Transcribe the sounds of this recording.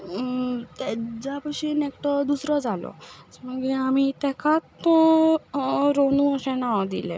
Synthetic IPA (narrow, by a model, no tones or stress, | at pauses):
t̪ed͡zapəɕinekʈɔd̪usɾɔd͡zalɔ̰məɡiamit̪ɛkʰat̪ɔ | ɾonũəɕẽnawd̪ḭlḛ